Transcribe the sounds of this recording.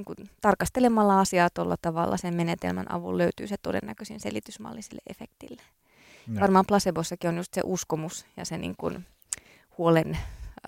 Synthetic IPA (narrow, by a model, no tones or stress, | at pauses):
ŋkunt̪ɑrkɑst̪elemɑlːɑɑsiɑːt̪olːɑt̪ɑʋɑ̰lːɑ̰semmenet̪ḛlmænɑ̰ʋṵlløyt̪y̰ːset̪odḛnːækøsinselit̪ysmɑ̰ːlːisilːḛʔefek̚t̪ilːe̥ | jʋɑrmɑːmplɑsebosːɑkionjust̪sḛʔuskomusjɑ̰senḭŋkṵn | huolen